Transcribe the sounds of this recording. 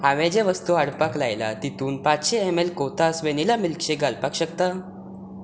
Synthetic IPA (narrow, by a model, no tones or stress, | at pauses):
aʋɛ̃d͡ʑeʋəst̪uaɽpaklajla̰t̪it̪uːnpatɕeemelkot̪asʋenilamilkɕeɡalpakɕəkt̪a